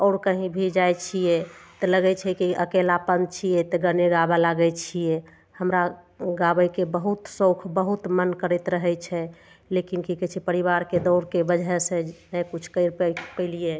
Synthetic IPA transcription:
ɔːɾkəɦĩbʱid͡ʒajt͡ʃʰijet̪ɔləɡɛt͡ʃʰɛkiʔəkelapənd̪t͡ʃʰijɛt̪əɡəneɡabalaɡɛt͡ʃʰije | həmɾa | ɡabəjkebəɦut̪sokʰbəɦut̪mənkəɾɛt̪ɾəɦɛt͡ʃʰɛ | lekinkikɛt͡ʃʰipəɾiβaɾked̪ɔɾkebəd͡ʒɛsẽnɛjkut͡ʃʰkəɪɾppəɪlije

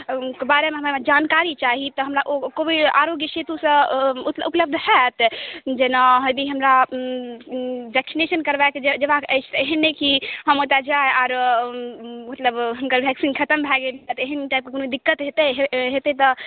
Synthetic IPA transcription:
kbaɾemeɦəmamed͡ʒankaɾit͡ʃaɦit̪ɔɦəmɾaʔokobiaɾoɡjəʃet̪usə̃ut̪upləb̚d̪ʱɦɛt̪d͡ʒenaɦəjd̪iɦəmɾa | bʱɛksinesənkəɾbaeked͡ʒed͡ʒəbakəɪt͡ʃʰt̪ɔeɦənːekiɦəmot̪ad͡ʒaeaːɾ | mət̪ləbɦumkəɾbʱɛksinkʰət̪əmbʱɛɡelt̪eɦənʈap̚kekonoid̪ikːət̪ɦet̪eɦɦet̪et̪ɔ

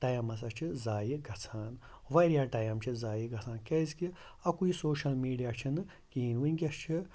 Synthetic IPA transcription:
ʈɐjɐmɐs̬ɐt͡ʃʰizaːjiɡʱɐt͡sʰaːn | ʋɐɾjaːʈɐjɐmt͡ʃʰizaːjiɡɐt͡sʰaːnkʲɐjzki | ɐkuisoːʃɐlmiːɖijaːt͡ʃʰinɨ | kiːnwunʲkʲɐst͡ʃʰi

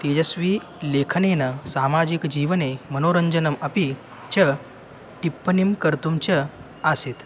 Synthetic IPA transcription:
t̪ed͡ʑəsʋiː | lekʰənenəsamad͡ʑikd͡ʑiːʋnemənoɾəɲd͡ʑənəmɐpi | t͡ɕə | ʈipːənimkəɾt̪umt͡ɕə | aset̪

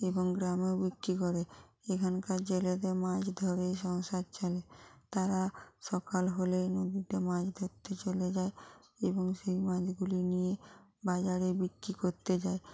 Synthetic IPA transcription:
eboŋɡɾamewbikːɾikɔɾeekʰankaɾd͡ʑeled̪eɾmad͡ʑd̪ʱɔɾejʃɔŋʃad̪̚t͡ɕʰelet̪aɾaʃɔkalɦolenod̪iʈemad͡ʑd̪ʱoɾt̪et͡ɕoled͡ʑae | eboŋʃejmãd͡ʑɡulinijebad͡ʑaɾebikɾikoɾt̪ed͡ʑae

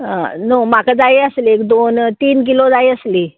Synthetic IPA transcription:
ã̰noːmakad͡zaiəsliekd̪ont̪iːnk̬ilod͡zaiəsliː

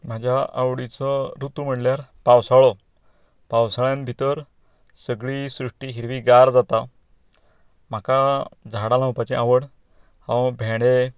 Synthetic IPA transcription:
m̤ad͡ʑʱjaʔawɽit͡sɔɾut̪um̤əɽljaɾpawsaɭɔ | pawsaɭjãnbʱit̪əɾ | səɡɭisɾuʂʈiɦiɾʋiɡaɾd͡zat̪a | m̤akad͡zʱaɽalãɦupat͡ɕĩaʋəɽ | ãbʱeɽ̃e

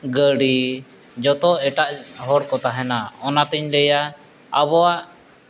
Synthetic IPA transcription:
ɡəɽi | d͡ʒɔt̪ɔɛʈaʔɦɔɽkɔt̪aɦɛnaɔnat̪iɲlɛja | abɔaʔ

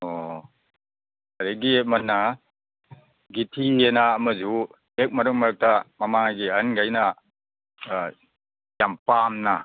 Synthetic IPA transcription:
o | ɐɾiɡiek̚mɐnːɐ | ɡitʰienɐːmɐzu | ek̚mɐɾɯŋ̚mɐɾɯk̚tɐmɐmaɡiɐnɡajnɐ | jampamnɐ

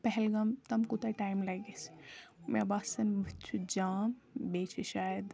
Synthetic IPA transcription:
pɛɦɛlɡɐmt̪ɐmkut̪ɐʈaːjmlɐɡesmḛbasɐnbɐtt͡ʃʰud͡ʒaːmbeːt͡ʃʰiʃaːjəd̪

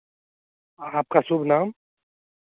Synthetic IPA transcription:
aːp̚kasʊbʱnaːm

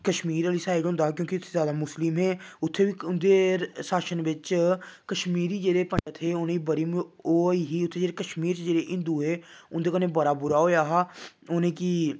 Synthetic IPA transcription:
kəʃmiːɾəliːsaːɪɾɦõnd̪aːɦkjõːkɪʊt̪ʰːeːzjaːd̪aːmʊslɪmɦɛːʊt̪ʰːeːʋiːʊnd̪eːsaːʃənʋɪt͡ʃkəʃmiːɾiːd͡ʒeːɽeːpə̃ɲd͡ʒət̪ʰɦeːʊnẽːiːbəɾiːmoːiːɦiːʊt̪ʰːeːd͡ʒeːɾeːkəʃmiːɾt͡ʃd͡ʒeːɽeːʔɪ̃nd̪uːɦeːʊnd̪eːkəɾneːbəɾaːbʊɾaːɦoːjaːɦaː | onẽːki

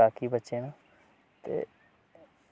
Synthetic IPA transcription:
aːkiːbətːt͡ʃeːnã | t̪ḛː

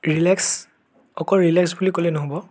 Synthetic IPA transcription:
ɹilɛks | ɔkɔɹilɛksbulikolɛnɔɦobɔ

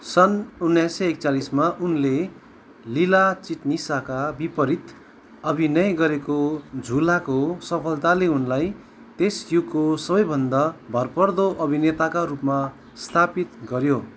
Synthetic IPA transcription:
sʌnunːajsʌek̚t͡salismaʔunle | lilat͡siʈnisakabipʌɾit̪ | ʌbʱinʌjɡʌɾekod͡zʱulakosʌpʰʌlt̪aleunlaj | t̪esjuɡkosʌbʌjbʱʌnd̪abʱʌrpʌrd̪oʔʌbʱinet̪akarupma | st̪ʰapit̪ɡʌɾjo

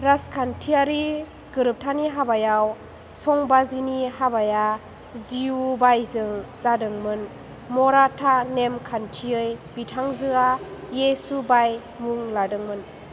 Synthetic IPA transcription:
ɾaskʰantʰiaɾi | ɡɯɾɯp̚tʰaniɦabajaw | sɔŋbazinihabaja | ziubajzɯŋz̥adɯŋmɯn | mɔɾatʰanemkʰantʰiɯjbitʰaŋzɯajesubaj | muŋladɯŋmɯn

